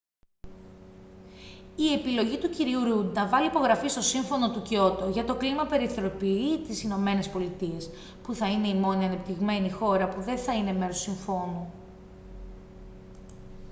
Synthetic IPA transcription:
ie̞pilo̞ʝit̪uciɾiuɾud̪nɐvɐlipo̞ɣɾɐfist̪o̞siɱfo̞no̞t̪uco̞t̪oʝɐt̪o̞klimɐpe̞ɾiθe̞ɾo̞piit̪isino̞me̞ne̞spo̞lit̪ie̞s | puθɐine̞imo̞niɐnep̚t̪iɣme̞nixo̞ɾɐpuðe̞nθɐine̞me̞ɾossiɱfo̞nu

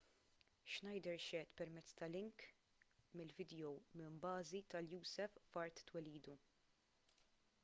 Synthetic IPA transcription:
ʃnɐjd̪ɛɾʃɛt̪pɛɾmɛt͡sːt̪ɐlɪŋk | mɪlvɪd̪ɛjɔwmɪmbɐːzit̪ɐljuːsɛffɐɾt̪ːwɛliːd̪u

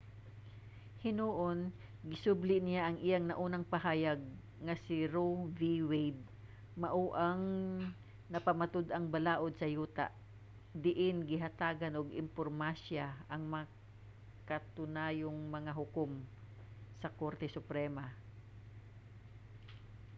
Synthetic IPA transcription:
hɪnuʔon | ɡɪsʊblɪʔnɪjaʔɐŋʔɪjaŋnɐʔuːnɐŋpɐɦaːjɐɡ̚ | ŋɐsɪɾoviwɛjd̪̚ | mɐʔuʔaŋ | nɐpɐmat̪ʊd̪ʔɐŋbɐlaːʔod̪̚sɐjuːt̪a̰ʔ | d̪ɪʔɪnɡɪɦɐt̪aːɡanʔoɡɪ̰mpoɾmasaʔɐŋmɐ | kɐt̪ʊnaːjoŋmɐŋaɦʊkom | sɐkoɾt̪ɛsʊpɾɛma

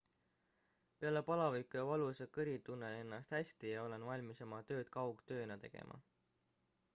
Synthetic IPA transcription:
pe̞ɑlepɑlɑvikujɑvɑlusekɤɾit̪unːeenːɑst̪hæsʲt̪ijɑo̞le̞nvɑlʲmiso̞mɑt̪ø̞ːt̪kɑwɡ̥t̪ø̞ːnɑt̪e̞̰ɡ̥ḛmʔɑ̰

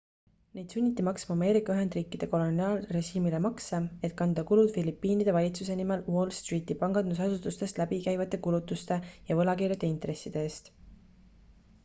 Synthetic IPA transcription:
ne̞jd̪sunʲːit̪ːimɑksmɑːme̞ːɾikːˑɑyɦe̞nd̪̥riːkːˑid̪e̞ko̞lo̞niɑːlre̞ʒiːmile̞mɑksɑe̞t̪̚kɑnd̪̥ɑkulud̪̥filipːiːnid̪̥e̞vɑlʲit̪suse̞nime̞lwo̞lst̪riːt̪ːˑipɑŋɡ̥ɑnd̪̥us̬ɑsut̪ːˑust̪e̞st̪læbikæjvɑt̪ːˑe̞kulut̪ːˑust̪e̞jɑvɤ̞lɑkiːɾjɑd̪̥eint̪re̞sːid̪eeːst̪

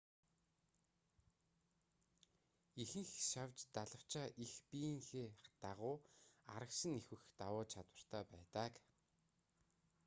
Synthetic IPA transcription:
ixɘ̆ŋxʃawt͡ɕt̪aɮə̆w̥t͡ɕʰaːʔixpiːŋxeːt̪aʁʊːa̰ɾə̆ksə̆nexwɘ̆xt̪awʊːt͡ɕʰat̪wə̆r̥t̪ʰaːpæːt̪aːk

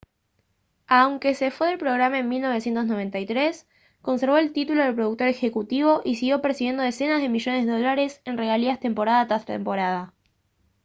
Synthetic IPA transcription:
awŋkese̞fwe̞ðelpɾo̞ɣɾamaenmilno̞β̞esje̞nt̪o̞sno̞β̞e̞nt̪ajt̪ɾe̞s | ko̞nseɾβ̞o̞elt̪it̪ulo̞ðelpɾoð̞uk̚t̪oɾe̞xe̞kut̪iβo̞ʔisiɣjo̞peɾsiβje̞nd̪oese̞nazð̞e̞miʒo̞nezðeðolaɾe̞se̞nreɣaliast̪e̞mpo̞ɾaðat̪ast̪e̞mpo̞ɾaða

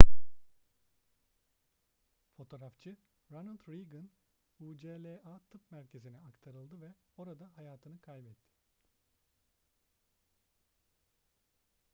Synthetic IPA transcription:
fo̞t̪ʰo̞ːɾaft͡ʃʰɯ | ɾanalʲt̪ɾiɡɯn | uːd͡ʒelʲeat̪ʰɯpmæɾcʰe̞zinɛakt̪ʰaɾɯlˠd̪ɯvɛo̞ɾad̪aɦajaːt̪ʰɯnɯkʰajbɛt̪ʰːɪ̥

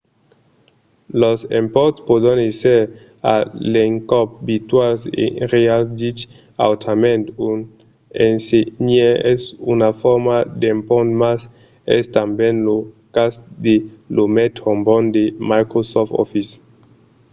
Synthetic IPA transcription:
losempɔɾt̪spodaneseɾ | a̰leŋkɔp̚bit̪walsḛʁealdit͡ʃ | a̰wt̪ʰamẽnt̪un | enseɲeɛsunafɔɾmad̪empɔnt̪mas | ɛ̰st̪ambjẽnlo | kasd̪elomet̪hombɔnd̪emajkɾosɔftɔ̰fis

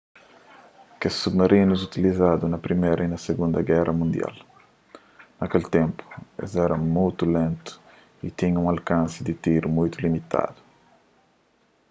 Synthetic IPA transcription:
kesubmaɾʔinuzut̪ilizad̪unɐpɾimeɾʔɐinɐseɡũnd̪ɐɡɛrɐmũnd̪ja̰l | nɐkelt̪ẽmpu̥ḛzɛɾɐmujt̪ulẽnt̪u̥ | it̪iɲɐũŋalkãnsɪd̪it̪iɾumũjt̪ulimit̪a̰d̪u̥

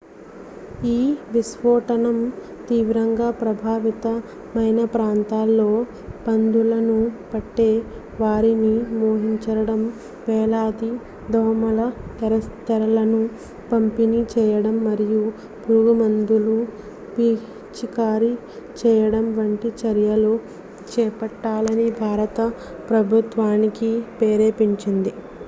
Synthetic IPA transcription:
iːʋisʋɔːʈɐnɐm | t̪iːʋɾɐŋɡaːpɾɐbʱaːʋit̪ɐ | mɐjnɐpɾaːnt̪aːlːo̞ː | pɐnd̪ulɐnupɐʈːe̞ː | ʋaːɾinimoːɦiɲt͡ʃɐɾɐɽɐm | ʋɛːlaːd̪i | d̪ɔːmɐlɐt̪ɛɾɐst̪ɐɾɐlɐnu | pɐmpinit͡ʃɛːjɐɽɐmːɐɾiju | buːɡɐmɐnd̪ulu | piː | t͡ʃikaːɾi | t͡ʃɛːjɐɽɐmʋɐɳʈit͡ʃɐɾjɐlu | t͡ʃɛːpɐʈːaːlɐnibʱaːɾɐt̪ɐ | pɾɐbʱut̪ʋaːnikipeːɾe̞ːpiɲt͡ʃind̪i

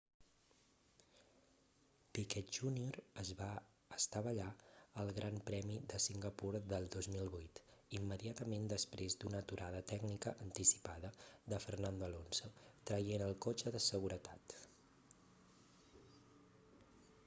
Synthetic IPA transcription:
pikɛt̪ʒunioɾəzβa | əst̪aβəʎaəlˠɣɾʔampɾɛmiðəsiŋɡəpuɾðəlˠd̪ozmilˠβujt̪imːəðiat̪əmend̪əspɾezd̪unət̪uɾʔaðət̪ɛɡnikəʔənt̪isi̥paðəd̪əfərnand̪oəlonsot̪ɾəjenəlˠkot͡ʃəðəsəɣuɾət̪at̪

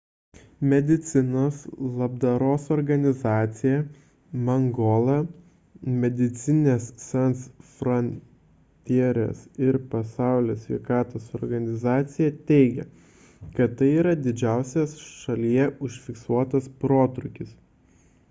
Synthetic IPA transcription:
mʲɛd̪ʲɪt̪sʲɪnoːslˠɐb̚d̪ɐɾoːsɔɾɡɐnʲɪzɑːt̪sʲɪjɛ | mɐŋɡoːlˠɐ | mʲɛd̪ʲɪt̪sʲɪnʲeːssʲɛnt̪sfɾɔnʲ | t̪ʲiɛɾʲḛːsɪɾpɐsɑˑʊlʲoːsʲʋʲɛ̰ɪkɑːt̪oːsɔɾɡɐnʲɪzɑːt̪sʲɪjɛt̪ʲɛɪɡʲɛ̰ | kɐt̪t̪ːɐɪiːɾɐd̪ʲɪd͡ʒʲæˑʊsʲesʃɐlʲijɛʊʃʲfʲɪksuɔt̪ɐspɾoːt̪ɾʊkʲɪs

